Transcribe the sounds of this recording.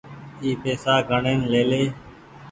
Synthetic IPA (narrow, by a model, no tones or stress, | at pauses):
iːpeːsaːɡʱəɳeːnleːleː